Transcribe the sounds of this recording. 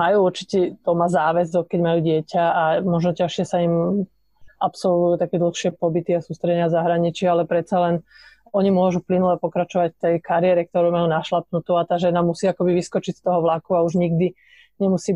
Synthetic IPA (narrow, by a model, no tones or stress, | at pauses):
majuːuɾt͡ʃi̥tɛt̪ɔmazaːʋɛzɔkɛɟmajuːɟɪɛcaamɔʒnɔcaʃɪɛsaim | apsɔlʋujuːt̪akɛd̪l̩xʃɪɛpɔbit̪iasuːst̪ɾɛɟɛɲɪazaɦɾaɲit͡ʃialɛpɾɛt̪t͡salɛn | ɔɲimʊɔʒuplinulɛpɔkɾat͡ʃɔʋacft̪ɛjkaɾɪɛɾɛk̚t̪ɔɾɔʊmajuːnaʃlap̚nut̪uat̪aːʒɛnamusiːakɔbiʋiskɔt͡ʃist̪ɔɦɔʋlakuauʒɲiɡd̪i | ɲɛmusiː